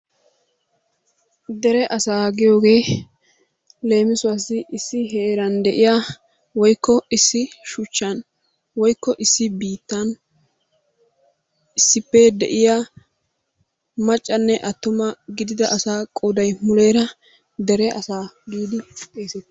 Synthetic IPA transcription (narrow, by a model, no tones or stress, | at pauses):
d̪ɛɾɛʔɐsaːɡɪjo̞ːɡe̞ː | le̞ːmɪsʊwasɪʔɪsːɪɦeːɾɐnd̪ɛʔɪjaː | wɔjkːɔɪsːɪʃʊt͡ʃːɐn | wɔjkːɔʔɪsːɪbiːt̪ːɐn | ɪsːɪpːɛd̪ɛ̰ʔɪja | mɐt͡ʃʼːɐnːɛʔɐt̪ːʊmɐɡɪd̪ɪd̪ɐʔɐsaːkʼoːd̪ɐjmʊle̞ːɾɐ | d̪ɛɾɛʔɐsaːɡiːd̪ɪt̪ʼeːsɛt̪ːɪ